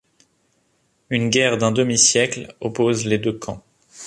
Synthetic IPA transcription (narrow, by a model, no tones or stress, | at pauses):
ynɡʲɛʁd̪ɛ̃d̪əmisjɛklɔpozled̪økʰɑ̃